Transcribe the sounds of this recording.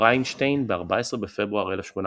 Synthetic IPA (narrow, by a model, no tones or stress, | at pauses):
ajnʃtejnbeaʁbaesʁebefebʁuaʁelefʃmona